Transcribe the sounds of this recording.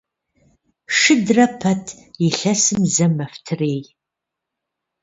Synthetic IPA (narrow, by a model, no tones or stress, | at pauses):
ʂɨdrɐpʰɐtʰ | jiɬɐsɨmzɐmɐftʰɨreːj